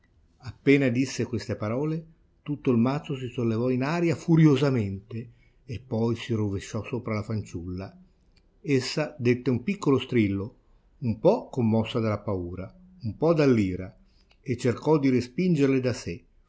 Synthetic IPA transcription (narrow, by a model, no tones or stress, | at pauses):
apːeːnad̪isːekwest̪epaɾɔːle | t̪ut̪ːoilmat̪sːos̬isolːevɔinaːɾjafuɾjozament̪eː | pːɔjsiroveʃːɔsoːpɾalafant͡ʃulːa | esːad̪et̪ːeumpikːolost̪ɾilːo | umpɔkːomːɔsːad̪alapauːɾa | umpɔd̪alːiːɾa | et͡ʃːerkɔd̪iɾespind͡ʒerled̪ase